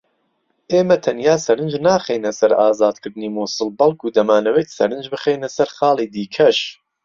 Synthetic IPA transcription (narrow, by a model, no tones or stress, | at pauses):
ʔeːmɐt̪ʰɐnjaːsɐɾɨnd͡ʒnaːχeːjnɐsɐɾaːzaːd̪kʰɨɾd̪ɨniːmuːsɨlbɐlˠkʰuːd̪ɐmaːnɐwejt̪sɐɾɨnd͡ʒbɨχeːjnɐsɐɾχɑːlˠiːd̪iːkʰɐʃ